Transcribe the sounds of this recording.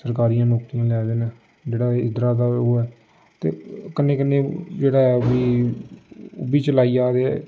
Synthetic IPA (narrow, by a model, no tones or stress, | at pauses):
səɾkaːɾijãːnoːkt̪ijãːlɛːd̪eːnẽː | d͡ʒeːɽaːɪd̪ɾaːd̪aːoːɛː | t̪ḛːkənːẽːkənːeːd͡ʒeːɽaːɛbiː | ʊ̰biːt͡ʃəlaːiːaːd̪eːɛː